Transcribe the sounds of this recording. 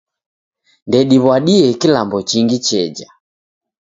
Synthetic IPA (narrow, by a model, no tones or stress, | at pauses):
ndɛɗiβwaɗiɛkilambɔt͡ʃiŋɡit͡ʃɛd͡ʒa